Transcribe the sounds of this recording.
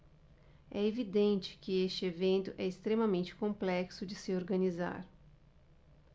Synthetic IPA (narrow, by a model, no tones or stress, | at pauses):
ɛevid̪ẽt͡ʃɪ̥kɪest͡ʃɪevẽnt̪ʊʔɛɪst̪ɾemɐmẽnt͡ʃɪ̥kõmplɛksʊd͡ʒɪsɪoɾɡɐniza̰ɾ